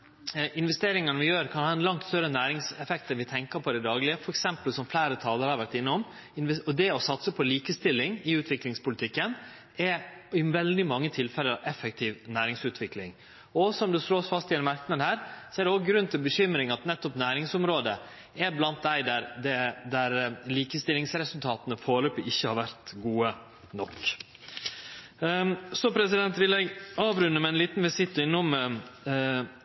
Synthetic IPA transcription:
ʔɪnʋɛst̪eːɾɪŋɑnəʋɪjøːɾkʰɑnhɑːɛnlɑŋt̪st̪œɾənæːɾɪŋsɛfɛk̚t̪əʋɪt̪ʰɛŋkəɾpʰɔd̪ɛd̪ɑːɡlɪəfɔɾɛksɛmpəlsɔmflæɪɾət̪ʰɑːləɾhɑɾʋæʈːɪnːəɔm | ɪnʋɔd̪ɛɔsɑt̪səpʰɔliːkəst̪ɪlːɪŋɪʉːt̪ʰʋɪklɪŋspʊlɪt̪ʰɪkːən | ɛɪʋɛld̪ɪmɑŋːət̪ʰɪlfɛlːəɾʔɛfːɛk̚t̪ʰiːʋnæːɾɪŋsʉːt̪ʰʋɪklɪ̰ŋ | ɔsɔmd̪ʉsloːsfɑst̪ɪɛnmɑɾknəd̪hæːɾsɔæɾɖ̪ɛɔɡɡɾʉnt̪ʰɪlbəçʏmɾɪŋɑt̪nɛt̪ːɔpnæːɾɪŋsʊmɾoːd̪ə | ɛblɑnt̪̚d̪æɪd̪æɾd̪ɛd̪æɾliːkəst̪ɪlɪŋsɾɛsʉlt̪ʰɑːt̪ənəfoːɭøːpəʔɪçːəhɑɾʋæɾt̪ɡuːə | nɔkː | sɔpʰɾɛs̬ɪd̪ɛnt̪ʋɪlɛɡɑːʋɾʉnːəmɛɛnliːt̪nʋɪsɪt̪ːɪnːʊm

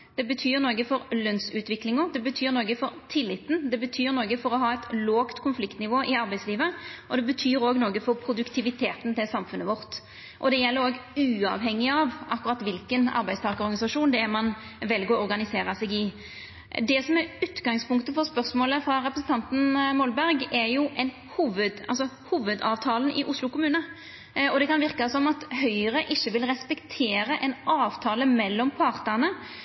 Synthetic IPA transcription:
d̪̥ɛbət̪ʰyːɾnoːɡəfɔɾlœnsʉːt̪ʋɪklɪŋɔd̪ɛbət̪ʰyːɾnoːɡəfɔɾt̪ʰɪlːɪt̪ːn̩d̪ɛbət̪ʰyːɾnoːɡəfɔɾɔɦɑːɛt̪loːɡt̪kʰʊnflɪkt̪nɪʋoːʔɪɑɾbæɪsliːʋəʔɔd̪ɛbət̪ʰyːɾoːɡnoːɡəfɔɾpʰɾʊd̪ʉkt̪ʰɪʋɪt̪ʰeːt̪n̩t̪ɪlsɑmfʉnːəʋɔɾt̪ | ʔɔd̪ɛjɛlːəɾoːɡʉːɑ̰ʋɦɛŋːɪɑʋʔɑkːʊɾɑt̪ːʋɪlkənɑ̰ɾbæɪst̪ʰɑːkəɔɾɡɑnɪsɑʂuːnd̪ɛmɑn | ʋɛlɡɔɔɾɡɑnɪseːɾəsɛɡɪ | d̪ɛsɔmɛɾʉːt̪ɡɑŋspʊŋkt̪əfɔɾspœɾsmoːləfɾɑɾɛpɾəsn̩t̪ʰɑnt̪n̩mɔlbæɾɡɛɾjʊʔɛn | huːʋəd̪ʔɑlsɔhuːʋəd̪ɑ̰ːʋt̪ʰɑːln̩ʔɪ̰ʔʊslʊkʊmʉːnə | ɔd̪ɛkɑnʋɪɾkəsɔmɑt̪hœʏəɾəʔɪçːəʋɪlɾɛspɛkt̪ʰeːɾəʔɛnɑːʋt̪ʰɑːləmɛlːɔmpʰɑɾt̪ənə

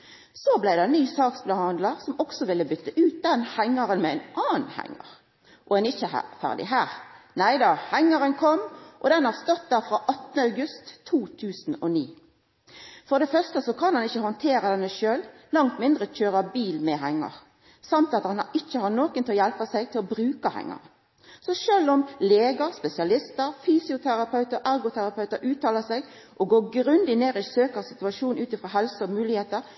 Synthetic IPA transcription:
sɔblæɪd̪ɛnyːsɑːksblɑhɑnd̪lɑʁsɔmɔksɔʋɪlːəbʏt̪ːəʔʉːt̪̚d̪ɛnhæŋːɑʁənmɛɛɪnʔɑːnhæ̰ŋːə̰ʁ | ʔɔɛnɪçəhæ̰fæ̰ʁd̪ɪ̰ɦæːʁ | næɪd̪ɑːhæŋːəɾənkʰɔmʔɔd̪ɛnhɑʁst̪ɔt̪̚d̪ɑːfʁɑːʔɑt̪nəɑʉɡʉst̪ʰːuːt̪ʰʉːsn̩ɔniː | fɔʁd̪ɛfœʁst̪əsɔkʰɑnhɑnɪçːəhɔnt̪ʰeːɾəd̪ɛnːəʃøːl | lɑŋt̪mɪnd̪ʁəc͡çøːʁəbiːlmɛɦɛŋːə̰ʁ | sɑmt̪ɑt̪hɑnɪçːəhɑnoːkənt̪ʰɔjɛlpəsɛɡ̚t̪ʰɪlɔbɾʉːkəhɛ̰ŋːɑ̰ʁə | sɔʃøːlɔmleːɡəɾspɛsɪɑlɪst̪əʁfyːsɪʊt̪ʰæʁɑpʰœʉt̪əɾæɾɡʊt̪ʰæɾɑpʰœʉt̪əɾʉːt̪ʰɑːləsɛɡ | ʔɔɡoːɡɾʉnd̪ɪneːɾɪsøːkəʁsɪt̪ʉɑʃuːnʉːt̪ɪfɾoːɦɛlsəɔmʉːlɪheːt̪əʁ

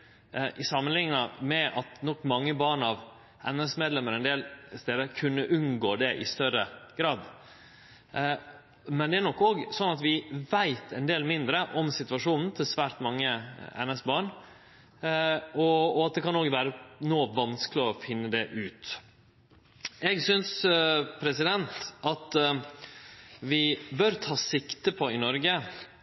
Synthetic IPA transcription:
ʔɪsɑmːənlɪŋːəmɛɑt̪nɔkːmɑŋːəbɑːɳɑʋ | ɛnɛsmeɛːd̪lɛmːəɾɛnd̪eːlst̪eːd̪əɾkʰʉnːəʔʉnɡoːd̪ɛʔɪ̰st̪œɾəɡ̥ɾɑːd̪ | mɛnd̪ɛæɳɔkːoːɡsɔnːɑt̪ʋɪʋæɪt̪ʰɛnd̪eːlmɪnd̪ɾəʔɔmsɪt̪ʉʋɑʂuːnn̩t̪ʰɪlsʋæːɾt̪mɑŋːəɛ̰nɛsbɑːɳ | ɔɔɑt̪̚d̪ɛkʰɑnoːɡʋæːɾənoːʋɑnsklɪɔfɪnːəd̪ɛʔʉːt̪ | ɛɡsʏnspʰɾɛsɪd̪ɛnt̪ʔɑt̪ | ʋɪbœɾt̪ʰɑːsɪkt̪əpʰɔɪnɔɾɡə

